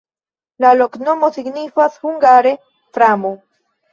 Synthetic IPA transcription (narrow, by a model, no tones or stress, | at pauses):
lalokno̞mo̞siɡnifashuŋɡaɾe | fɾamo